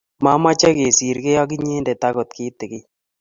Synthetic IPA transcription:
ma˦ma˦t͡ʃɛ˦ke˨si˨ɾkɛ˦jɔ˦k̬ɪ˦ɲeː˦ndɛ˨ta˦ko˨tkɪ˦tɪ˨kɪ˦

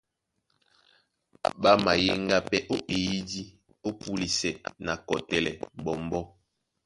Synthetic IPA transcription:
ba˦ma˨je˦ŋɡa˦pɛ˦ʔo˦ʔe˨ji˦di˦ | o˦pu˦li˨sɛ˨na˨kɔ˨tɛ˨lɛ̰˨bɔ˨mbɔ˦

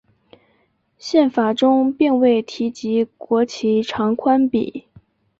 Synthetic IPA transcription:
ɕjɛ˥˩nfa˨˩ʈ͡ʂʊ˥ŋpi˥˧ŋwe˥˩ɪt̪ʰi˧˥t͡ɕi˧˥kwɔ˧˥t͡ɕʰi˧˥ʈ͡ʂʰɑ˧˥ŋkʰwa˥npḭ˨˩˦

